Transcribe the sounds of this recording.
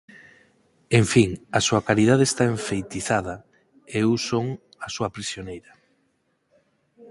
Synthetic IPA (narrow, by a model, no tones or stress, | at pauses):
eɱfiŋasuɐkaɾiðað̞eːst̪aeɱfejt̪iθaðɐ | eusoŋ | asuɐpɾisjonejɾɐ